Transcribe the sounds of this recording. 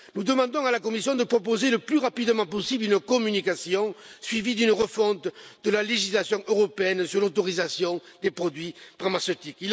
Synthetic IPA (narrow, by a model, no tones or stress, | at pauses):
nud̪əmɑ̃d̪ɔ̃alakɔmisjɔ̃d̪əpχɔp̬ozeləplyʁapid̪əmɑ̃pɔsiblynəkɔmynikasjɔ̃sɥivid̪ynəʁəfɔ̃t̪d̪əlaleʒislasjɔ̃ʔøʁɔpeɛnsyʁlot̪ɔʁizasjɔ̃d̪̥epχɔd̪ɥifaʁmasøt̪ikil